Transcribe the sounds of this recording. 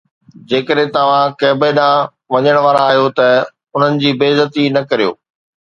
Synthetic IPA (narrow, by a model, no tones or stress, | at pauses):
d͡ʑeːkəɗɦẽt̪ɐʋ̤ãkɐːbeɗã | ʋɐɲəɽ̃ʋaːɾaaːɦijot̪ɐ | ʊn̤ənɪ̆d͡ʑiːbeːzət̪inɐkɐɾijo̰ː